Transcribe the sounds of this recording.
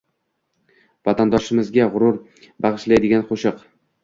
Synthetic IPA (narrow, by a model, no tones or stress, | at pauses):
vat̪ʰand̪ɒʃɪmɪzɡʲaʁʊɾʊɾ | baʁɨʃlajd̪ɪɡʲanqʰoʃɨq